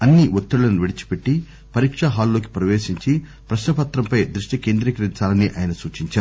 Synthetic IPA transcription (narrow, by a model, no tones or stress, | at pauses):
ɐnːiʋot̪ːuɭːlɐnuʋeɽit͡ʃi̥pe̞ʈːi | pɐɾiːkʂɐɦaːlːoːk̬i̥pɾɐʋeːʃiɲt͡ʃi | pɾɐʃnɐpɐt̪ɾɐmpɐjd̪ɾuʂʈike̞ːnd̪ɾikɐɾint͡saːlɐnːiʔaːjɐnɐsuːt͡ʃiɲt͡ʃaːɾu